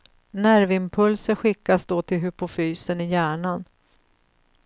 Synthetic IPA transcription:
næɾvɪmpʰɵlsəɾɧɪkːasd̪oːt̪ʰɪlɦɵpʊfyːsənɪjæːɳan

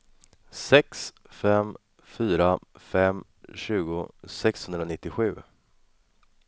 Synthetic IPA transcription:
sɛks | fɛm | fyːɾafɛm | ɕʉ̟ːɡʊsɛkshɵnd̪ɾanɪt̪ːɪɧʉ̟ː

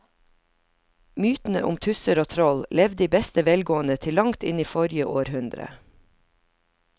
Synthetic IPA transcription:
myːt̪n̩ə̰ʔʊmt̪ʰʉsəɾoːt̪ʰɾɔllɛʋd̪iːbɛst̪əʋɛlɡoːən̩ət̪ʰɪlɑŋt̪ɪniːfɔɾjəʔoːɾhʉnd̪ɾə̰

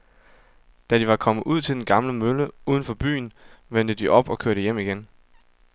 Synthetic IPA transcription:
d̥æd̥iʋɑ̈kʰɒ̽mð̩ˠuð̞̰ˠt͡sʰe̝ld̥enɡ̥ɑ̈mləmøləuːð̞ˠən̩fɒ̽b̥y̰ːnʋen̰d̥əd̥iʔɒ̽b̥ɒ̽kʰøɐɾ̥əjem̰iɡ̥en

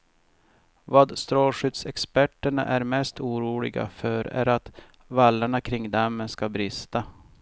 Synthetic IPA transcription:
vaːd̪st̪ɾoːlɧʏt̪sɛkspæʈːəɳa̰ʔæɾmɛst̪uːɾuːlɪ̰ɡa̰fœɾæ̰ɾat̪ | valːaɳakʰɾɪŋd̪amːəskabɾɪst̪a

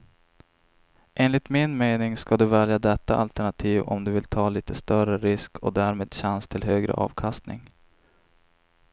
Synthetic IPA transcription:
ʔeːnlɪt̪mɪnmeːnɪŋskad̪ɵvɛljad̪ɛt̪ːaʔalt̪æɳat̪ʰiːvɔ̰md̪ɵvɪlt̪ʰɑːliːt̪əst̪œrəɾɪskʰɔd̪æːɾmeːd̪ɕanst̪ʰɪlɦøːɡɾə̰ʔɑ̰ːvkʰast̪nɪ̰ŋ

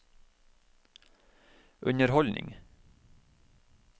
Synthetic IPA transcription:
ʔʉɲəɾhɔlnʔɪ̰ŋ

